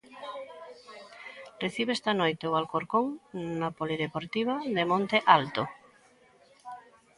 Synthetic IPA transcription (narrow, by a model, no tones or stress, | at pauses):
reθiβeest̪anojt̪eoβalkoɾkoŋnapoliðepoɾt̪iβ̞ad̪emõnt̪eʔalt̪o